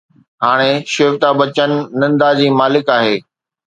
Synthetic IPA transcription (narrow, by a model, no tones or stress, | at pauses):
haːɽ̃eʃɪːʋt̪abɐt͡ɕənɪ̆ːɐ̃nd̪ad͡ʑiːmaːlɪkaːɦeː